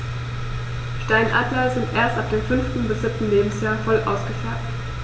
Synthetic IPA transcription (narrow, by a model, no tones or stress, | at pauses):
ʃtaɪnʔa̰ːtlɐzɪntʔeːɐstʔap̚d̥eːmfʏnftn̩bɪsz̥ɪp̚tn̩leːbm̩sjaːɐfɔlʔa̰ʊsɡ̥əfɛɐk̚t